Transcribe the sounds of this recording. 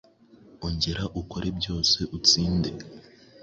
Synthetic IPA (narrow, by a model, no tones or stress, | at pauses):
oɲɟeɾaʔuko̞ɾebɟo̞ːse̞ʔut͡siːnde̞